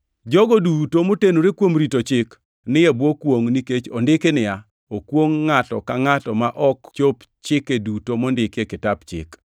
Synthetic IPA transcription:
d͡ʒɔɡodutomotenoɾekwomɾitot͡ʃɪk | nɪjɛbwokwoŋniket͡ʃondɪkenɪa | okwoŋːatɔ̰kaŋatɔmaʔɔkt͡ʃop | t͡ʃɪkːedutomɔndɪkekɪtapt͡ʃɪ̰k

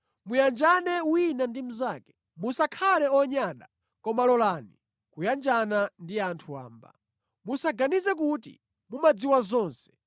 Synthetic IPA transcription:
mujand͡ʒanɛwinandim̩zaːkɛ̥ | musakʰalɛɔɲaɗa | kɔmalɔlani | kujand͡ʒanandiantʰua̰ːmba̰ | musaɡanizɛk̬utḭ | mumad͡ziwazɔːnsɛ̥

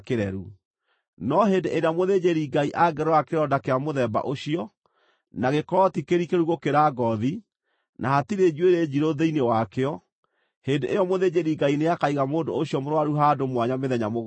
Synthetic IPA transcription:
keɾɛɾu | nɔɦeːndeʔeɾeamoðed͡ʑeɾiɡaiʔaɡɛɾoakeɾɔdakeamoðɛba̰ʔoɕiɔ | naɣekɔɔtikeɾikeɾuɣokeɾaɡɔði | nahatiɾed͡ʒweɾed͡ʑiɾoðeinewakeɔ | hedeʔejɔmoðed͡ʑeɾiɡaineakaiɣamoːndoːɕijɔmoɾwaɾuɦadomwaɲameðɛɲamo

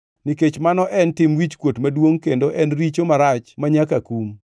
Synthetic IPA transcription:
niket͡ʃmanɔʔɛntɪmwit͡ʃkwotmadwoŋkendoʔɛnɾit͡ʃomaɾat͡ʃmaɲakakum

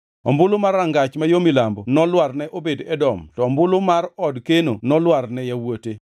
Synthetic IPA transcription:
ɔ̰mbʊlomaraŋɡat͡ʃmajomilambɔnɔlwarnɛʔobedɛdɔmtɔːmbʊlomarɔdkenonɔlwarnɛjawote

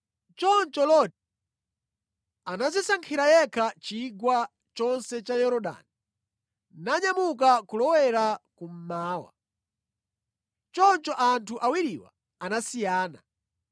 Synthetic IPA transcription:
t͡ʃɔnt͡ʃɔlɔti | anazisaŋkʰiɾajɛkʰat͡ʃiɡwa | t͡ʃɔnsɛt͡ʃajɔɾɔɗa̰ni | naɲamukakulɔwɛɾakum̩maːwa̰ | t͡ʃɔnt͡ʃɔʔantʰuʔawiɾiwa̰ | anasijaːna̰

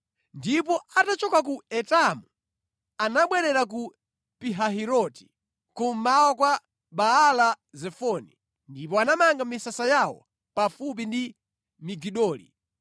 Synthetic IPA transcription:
ndip̬ɔatat͡ʃɔkakuɛtamu | anaɓwɛɾɛɾak̬u | piɦaɦiɾɔti̥ | kum̩mawɔkwa | ɓaːla | zɛfɔni | ndip̬ɔanamaŋɡamisasajawɔ̰ | pafup̬indi | miɡiɗɔːlḭ

